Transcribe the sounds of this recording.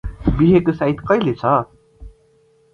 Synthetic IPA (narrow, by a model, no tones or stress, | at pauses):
biɦekosait̪kʌilet͡sʰʌ